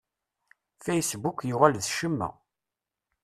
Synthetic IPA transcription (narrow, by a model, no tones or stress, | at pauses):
fejsbukjuʁælðʃəmːæ̰